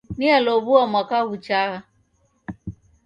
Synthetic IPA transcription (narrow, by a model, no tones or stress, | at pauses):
nialɔβuamwakaɣut͡ʃaɣa